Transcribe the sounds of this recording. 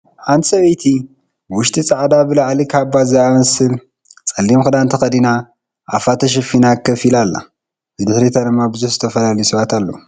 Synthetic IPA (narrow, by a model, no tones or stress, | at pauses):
ħant̪ʰsɐβɐjt̪ʰi | wʊʃt̪ʰʼit͡sʼaʕd̪abɨlaʕlikʰabazɨamɐsɨl | t͡sʼɐlːimxɨd̪ant̪ʰɐxɐd̪ina | ʔafat̪ʰɐʃ̬ɐfinakʰːɐfilalːa̰ | bɨd̪ɨħɾit̪ʰad̪ɨmːabɨzuħzɨt̪ʰɐfɐlalɐjusɨβat̪ʰalːo